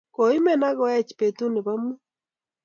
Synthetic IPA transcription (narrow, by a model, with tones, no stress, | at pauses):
ko˨i˦mɛ˦na˦ɣɔ˨˦a˦t͡ʃi̥˨pe˨tu˦ne˨βa˦mu˦